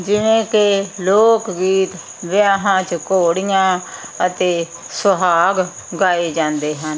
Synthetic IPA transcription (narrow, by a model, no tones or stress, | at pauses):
d͡ʒɪnẽːkeloːkɡiːt̪ | ʋɪjaːɦãːt͡ʃkoːɽijãːət̪eː | səɦaːɡ | ɡaːeːd͡ʒãːnd̪eːɦən